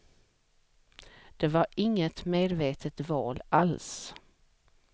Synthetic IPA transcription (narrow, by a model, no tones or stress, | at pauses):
d̪̥ɛvaɾɪŋːət̪meːd̪veːt̪ʰət̪vɑːlʔals